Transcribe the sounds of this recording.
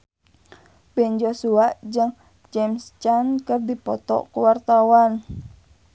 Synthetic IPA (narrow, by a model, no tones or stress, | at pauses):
b̥ɛnd͡ʒosuaʔd͡ʒɨŋ | d͡ʒɛmst͡ʃankərdipɔt̪ɔ̰kuwart̪awan